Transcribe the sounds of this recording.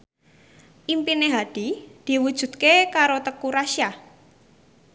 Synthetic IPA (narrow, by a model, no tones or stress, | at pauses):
ʔimpineɦad̥i̤d̪̥i̤wud̥ʒ̥ṳd̪̚kekaɾot̪əkuɾaʃja